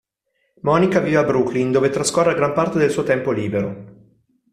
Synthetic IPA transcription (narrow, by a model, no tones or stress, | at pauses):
mɔnikaviːveabɾuklind̪oːvet̪ɾaskorːaɡɾampart̪ed̪elsuːot̪ɛmpoliːbeɾo